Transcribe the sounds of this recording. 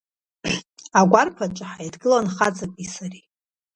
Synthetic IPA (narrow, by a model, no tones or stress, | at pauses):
aɡʷarpʰat͡ʃʷʼaħajidɡɨlanχad͡zakʷʼisari